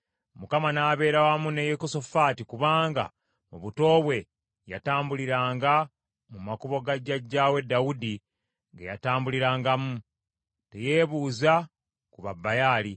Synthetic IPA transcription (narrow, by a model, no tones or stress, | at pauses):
mukamanaːβe̞ːɾawamune̞jekoso̞fatikuβaːŋɡa̰ | muβuto̞ːβwe̞ | ja̰taːmbuliɾaːŋɡa | mumakuβo̞ɡaɟaɟːaːwe̞dːawudi | ŋɡejataːmbuliɾaːŋɡamu | te̞je̞ːβuːza | kuβabːajaːli